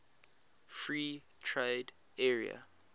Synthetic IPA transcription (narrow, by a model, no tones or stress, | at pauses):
fɹiːtʰɹed | ɛɹia̰